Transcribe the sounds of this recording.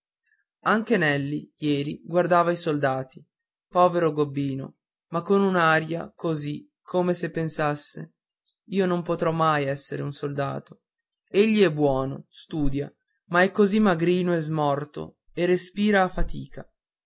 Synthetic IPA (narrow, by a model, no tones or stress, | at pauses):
aŋk̟enɛlːijɛːɾiɡward̪aːvaisold̪aːt̪i | pɔːveɾoɡobːiːno̰ | makːonunaɾja̰kozi | kʰːomesepːensasːḛ | iːonompot̪ɾɔmːajɛsːeɾeunsold̪a̰ːt̪o | eʎːiɛbːwɔːnost̪uːd̪ja | maɛkːozimːaɡɾiːnoezmɔrt̪o̰ | erːespiːɾaːfat̪iːka